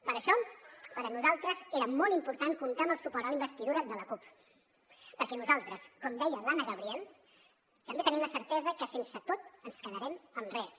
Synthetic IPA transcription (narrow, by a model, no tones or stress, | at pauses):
pəɾəʃɔpəɾənuzalˠt̪ɾəzeɾəmɔlˠimpuɾt̪aŋkunt̪aəməlˠsupɔɾt̪ələimbəst̪iðuɾəðələkup | pəɾkɛnuzalˠt̪ɾəskɔmd̪ɛjəlanəɣəβɾiɛlˠ | t̪əmbet̪əniəmləsəɾt̪ɛzəkəsensət̪ot̪ənskəðəɾɛməmrɛs